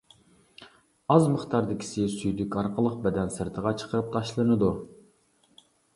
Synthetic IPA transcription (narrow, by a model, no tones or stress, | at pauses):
ɑzməχt̪ʰɑɾd̪ɪkʲʰi̥sɪsyjd̪ykʲɑɾqʰəlˠəq̚bɛd̪ɛnsɨɾt̪ʰəʁɑt͡ʃʰə̥qʰəɾɨp̚t̪ʰɑʃlˠɨnɨd̪u